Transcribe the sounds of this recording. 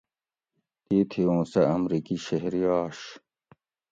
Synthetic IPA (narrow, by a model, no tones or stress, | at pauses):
t̪iːt̪ʰiõːsɐɐmɾiːkiɕɐɦɾiaːɕ